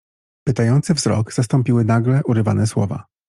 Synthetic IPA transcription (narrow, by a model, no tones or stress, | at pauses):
pɘt̪ajɔnt̪sɘvzɾɔ̰ɡz̥ast̪ɔ̃mpʲiwɘnaɡlɛʔuɾɘva̰nɛswɔ̰va̰